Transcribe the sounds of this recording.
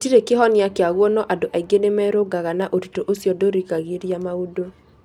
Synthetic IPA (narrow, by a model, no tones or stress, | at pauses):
tiɾekeɦɔnjakeaɣwɔnɔʔadoʔaiɡenemɛɾoɡaɣanaʔotitoʔosjɔdoɾikaɣeɾjamaudo